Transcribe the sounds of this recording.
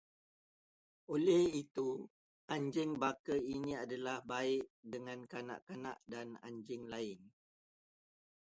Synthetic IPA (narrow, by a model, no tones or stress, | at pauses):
ʔolɛhit̪u | ʔaɲd͡ʒɪŋbakəiniadalahbaɪʔdəŋankana̰ʔkana̰ʔdana̰ɲd͡ʒɪŋlaɪn